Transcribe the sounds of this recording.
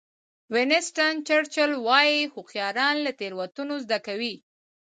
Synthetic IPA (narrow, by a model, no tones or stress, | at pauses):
wenɪsʈant͡ʃəɽt͡ʃəlwɑjixʊqjɑɾɑnlat̪eɾwat̪unozd̪akawi